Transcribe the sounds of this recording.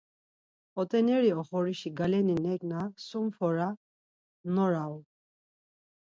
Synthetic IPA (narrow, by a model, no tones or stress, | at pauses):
ɔt̪ʼɛnɛɾiɔχɔɾiʃiɡalɛninɛɡnasumfɔɾa | nɔɾaw